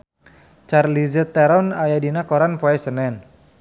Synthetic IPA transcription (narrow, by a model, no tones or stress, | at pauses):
t͡ʃarlizət̪ːɛɾɔnajadinakɔɾanpɔɛsənɛn